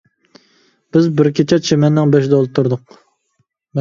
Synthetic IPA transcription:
b̥ɪzbɪɾkʲʰet͡ʃʰɛt͡ʃʰemɛnːɪŋbɛʃ̬d̪ɛolˠɨt̪ʰuɾd̪ʊq̚ | m

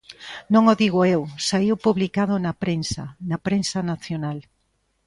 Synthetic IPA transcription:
nõŋoðiɣoewsaiwpuβlikaðonɐpɾensa̰nɐpɾensɐnaθjonal

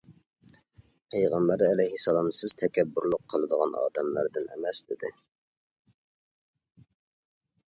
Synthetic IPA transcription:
pʰæjʁæmbæɾɛlɛhisɛlˠɑmsɪz̥t̪ʰɛkʲɛbːuɾlˠʊqʰːəlˠɨd̪əʁɑ̰nɑ̰ːd̪ɛmlæɾd̪ɪnɛ̰mɛsd̪ɪd̪ɪ̰

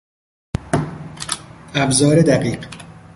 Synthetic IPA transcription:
æbzɒːɾed̪æɢiːq

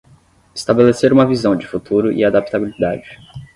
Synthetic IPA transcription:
ɪ̥st̪abeleseɾũmɐvizɐ̃w̃d͡ʒɪfut̪uɾʊʔḭad̪ap̚t̪abilid̪a̰d͡ʒɪ

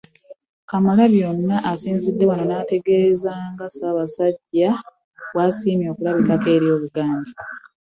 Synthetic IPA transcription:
kamalaβjo̞nːaʔasiːnzidːe̞wanonate̞ɡe̞zaːŋɡasaːβasaɟːa | wasiːmjo̞ːkulaβibake̞ːɾjo̞ːβuɡaːɲdi

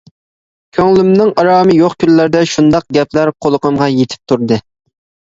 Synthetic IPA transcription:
kʲʰøŋlymnɪŋɑɾɑːmɨjoqkʲʰyllːæɾd̪ɛʃund̪ɑq̚ɡʲɛpʰlæɾqʰolˠəqəmʁɑjet̪ʰɪ̥p̚t̪ʰuɾd̪ɨ

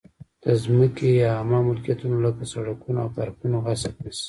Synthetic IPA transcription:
d̪̥əzməkejaamɑmʊlkijat̪unolakasaɽakunoawfaɾkunoɣasab̪is

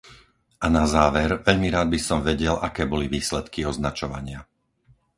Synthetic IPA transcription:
anazaːʋɛɾʋɛʎmiɾaːd̪̚bisɔmʋɛɟɛlʔakɛːbɔliʋiːslɛt̪kiɔznat͡ʃɔʋa̰ɲɪa

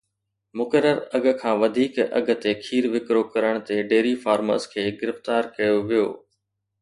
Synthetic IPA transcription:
mʊkəɾəɾɐɡ̆ʱkʰãːʋɐd̪ʱiːkɐ̰ɡʱə̆t̪ekʰiːɾʋɪkɾokɐɾəɽ̃t̪eɖeːɾifaːɾmə̰ːskʰeːɡɪɾɪft̪aːɾkɐjoʋijo̰ː

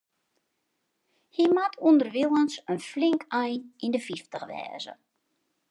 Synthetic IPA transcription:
himatʰundərʋilˠənsənflɪŋkʰɛjnindəfiftəxʋɛ̰ːzə̰

